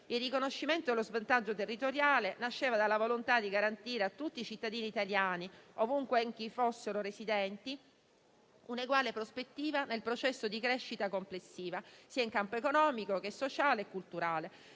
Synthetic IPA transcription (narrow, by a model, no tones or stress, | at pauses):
ilrːikonoʃːiment̪od̪elozvant̪ad͡ʒːot̪erːit̪oɾjaːlenaʃːeːvad̪alːavolont̪ad̪iɡaɾant̪iːɾeat̪ːut̪ːiːt͡ʃit̪ːad̪iːniːt̪aljaːniovuŋkweŋk̟ifosːeɾoɾesid̪ɛnt̪i | uneɡwaːlepɾospet̪ːiːvanelpɾot͡ʃɛsːod̪ikɾeʃːit̪akomplesːiːvasiːaiŋkampoekonɔːmikok̟esːot͡ʃaːleːkːult̪uɾaːle